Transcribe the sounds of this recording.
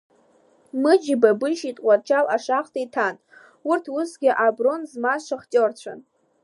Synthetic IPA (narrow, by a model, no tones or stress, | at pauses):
mɨd͡ʒɪbabɨʃitʼqʷʼat͡ʃʰalaʂaχtʰʼaitʰan | urtʰusɡʲɪʔabronzmazʃʷaχt͡ʃʼort͡ɕʷʰa̰n